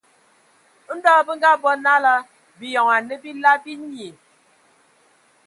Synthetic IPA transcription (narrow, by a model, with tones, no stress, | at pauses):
n̩˦dɔː˦˨bə˦ŋ˦ɡa˦bɔ˦na˦la˦ | bi˨jɔ˨ŋa˨ne˦bi˦la˦bi˦ɲi˨